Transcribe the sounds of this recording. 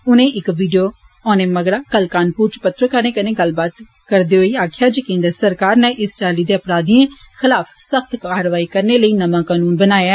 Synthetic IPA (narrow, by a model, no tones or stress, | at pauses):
ʊnẽːʔɪkʋiːɖijoː | ɔːneːməɡɽaːkəlkaːnpuːɾt͡ʃpət̪ɾəkəɾneːkənẽːɡəlbaːt̪ | kəɾd̪eːɦoiːaːkʰjaːd͡ʒəkẽːnd̪əɾsəɾkaːɾneʔɪst͡ʃaːliːd̪eːəpɾaːd̪iẽːxɪlaːfʰsəkt̪kaːɾʋaːiːkəɾneːləiːnəmãːkaːnuːnbənaːjaː